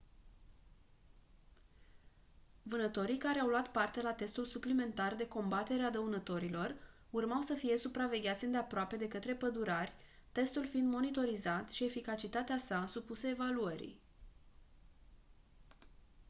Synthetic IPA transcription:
vɨnət̪o̞ɾijkaɾeawluat̪part̪e̞lat̪e̞st̪ulsuplime̞nt̪ard̪e̞ko̞mbat̪e̞ɾead̪əunət̪o̞ɾilo̞r | urmawsəfije̞supɾave̞ɡʲat̪sʲɨnd̪e̞apɾoape̞d̪e̞kət̪ɾe̞pəd̪uɾarʲ | t̪e̞st̪ulfind̪mo̞nit̪o̞ɾizat̪ʃie̞fikat͡ʃit̪at̪easasupusəevaluəɾḭj

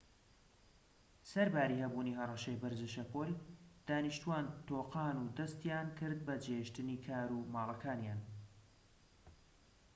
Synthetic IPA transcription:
sɐɾbaːɾiːhɐbuːnihɐrˤɑʃɐjbɨɾzɨʃɐpoːld̪̥aːniʃt̪uwaːnt̪oːqɑːnuːd̪ɐst̪jaːnkʰɨɾd̪̚bɐd͡ʒeʃt̪ɨniːkʰaːɾumɑːlˠɐkʰaːnjaːn

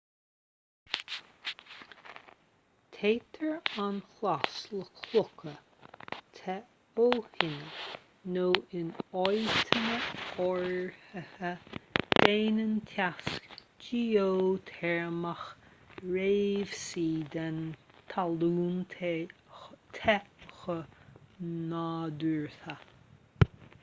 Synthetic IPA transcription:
t̪ʰeːt̪ʰəɹanxlasləkʰlʊkʰə | t̪ʰɛ | oːhɪnə | noːɪnɔjt̪ʰənəɔɹhəhəd̪̥eːnənt̪ʰask | d͡ʒioːt̪ʰɛɹəməxɹeːv̥siːd̪ɛn | t̪ʰaluːnt̪ʰe | t̪ʰɛxə | naːd̪uɹta

